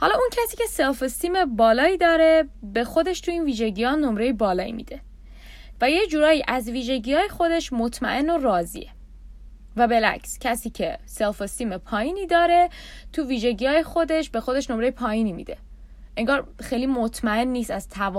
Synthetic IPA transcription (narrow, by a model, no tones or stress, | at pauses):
hɒlɒːuncʰæsiːce̞se̞lfost̪iːmebɒːlɒːiːd̪ɒːɾe̞be̞xo̞d̪e̞ʃt̪ʰuiːnviːʒe̞ɟijɒːnomɾejebɒːlɒːḭmḭːd̪̥e̞ | væjecd͡ʒuːɾɒːjiːʔæzviːʒe̞ɟijɒːjexo̞d̪e̞ʃmot̪ʰmæ̰ʔe̞norɒːzḭːe | væbe̞læ̰cscʰæsiːcʰe̞se̞lfost̪iːmepʰɒːjiːniːd̪ɒːɾe̞ | t̪ʰuːviːʒe̞ɟijɒːjexo̞d̪e̞ʃbe̞xo̞d̪e̞ʃnomɾe̞jepʰɒːjiːniːmḭːd̪e̞ | ʔeŋɡɒːɾxejlimot̪ʰmæe̞nːiːsæz̥t̪ʰæv